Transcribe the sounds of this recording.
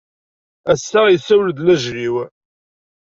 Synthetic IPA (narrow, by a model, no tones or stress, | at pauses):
æsːæjəsːæwləd̪læʒɾiw